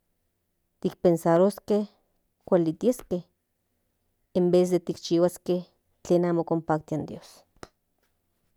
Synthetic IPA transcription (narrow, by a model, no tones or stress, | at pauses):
t̪ik̚pensaɾoskeh | kʷalit̪ieskeh | embeːs̬d̪et̪ik̚t͡ʃiwaskeh | t͡ɬeːnaːmokompaːk̚t̪iand̪joːs